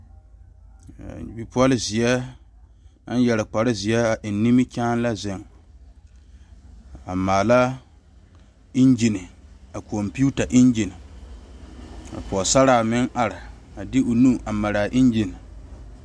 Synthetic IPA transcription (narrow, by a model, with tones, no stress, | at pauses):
bi˨pʊ˦ɔ˦lɪ˦zɪ˨ɛ˦ | a˦n˦jɛ˨lɪ˨k͡pa˨ɾɪ˦zɪ˨ɛ˦a˨ʔɪ˨nː˦i˦mɪ˦t͡ʃaː˦n˦la˦zɪ˨ŋ | a˨maː˨la˦ | ɪ˦nd͡ʒɪ˨nɪ˨a˨ko˨mpi˦u˦ta˨ʔɪ˦nd͡ʒi˨nɪ˨ | a̰˨pɔ˨sa˦ɾaː˨mɪ˦ŋʔa˨ɾɪ˨a˨dɪ˦o˨nu˦ʔa˨ma˨ɾaː˨ʔɪ˦nd͡ʒi˨nɪ˨